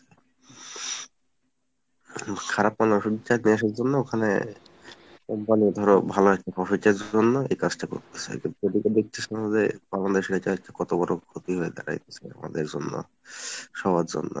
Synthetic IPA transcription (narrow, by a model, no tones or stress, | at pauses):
kʰaɾapmanoʃuit͡ɕːaniaʃ̬aɾd͡ʑonːookʰanḛ | kɔmpanid̪ʱɔɾobʱaloɛk̚ʈapɔʃiʈeɾd͡ʑonːoḛjkad͡ʑʈako̰ɾt̪e̥t͡ɕʰḛkit̪od̪iked̪ek̚t̪ʰesʰenazebaland̪eʃeʈaaɛk̚ʈakɔt̪obɔɾokʰot̪iɦoed̪a̰ɾa̰jt̪et͡ɕʰḛa̰ma̰d̪eɾd͡ʑo̰nːo̰ | ʃɔbad͡ʑo̰nːo̰